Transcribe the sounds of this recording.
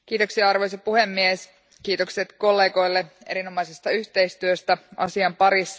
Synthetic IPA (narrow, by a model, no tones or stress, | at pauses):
k̟iːt̪o̞ksiɑɑrʋojs̬opuhe̞mːies | kiːt̪o̞kset̪ko̞lːe̞ːɡo̞jlːeḛino̞mɑjsest̪ɑyçt̪e̞jst̪yøst̪æɑ̰siɑmpɑɾisːɑ